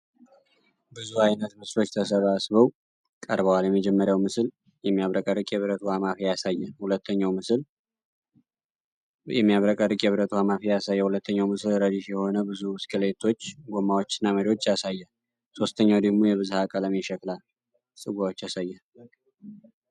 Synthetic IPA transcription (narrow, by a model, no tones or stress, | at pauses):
bɨzuajnət̪mɨslo̞t͡ʃːt̪ʰəsəβasβəw | kʼəɾβəwaljɛmːəd͡ʒɛmːəɾjawmɨsl | jɛmːijaβɾəkʼəɾɨkʼjɛβɾət̪ʰuhamafijasajːɛhulət̪ʰːəɲːawmɨsɨl | jɛmːijaβɾəkʼəɾɨkʼjɛβɾət̪ʰuhamafijasajːəhulət̪ʰːəɲːawmɨsɨlɾəd̪iʃjɛho̞nəbɨzuskʼɨle̞t̪ʰo̞t͡ʃːɡomːawot͡ʃːɪnːaməɾiwo̞t͡ʃːjasajːɛ | so̞st̪ʰəɲːawd̪əɡmo̞jɛβɨzuhakʼələmiʃəkʼla | sʼɨɡʷawot͡ʃːjasajːɛ